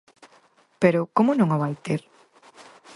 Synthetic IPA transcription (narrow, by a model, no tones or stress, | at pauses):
peɾʊkomʊnõŋaβajt̪eɾ